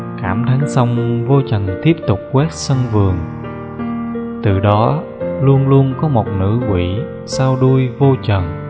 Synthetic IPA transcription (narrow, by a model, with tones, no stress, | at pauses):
kaː˧˩mt̪ʰaː˨˦ŋsa˧wŋ͡mvo˧t͡ɕə˨˩nt̪i˦˥əp̚t̪ʊ˨˩k͡p̚kwɛ˦˥t̚sə˧nvɨ˨˩əŋ | t̪ɨ˨˩ɗɔ˨˦ | lu˧ənlu˧ənkɔ˨˦mo˨˩t̚nɨ̰˧˥kwḭ˧˩˨ | saː˧wɗu˧əjvo˧t͡ɕə˨˩n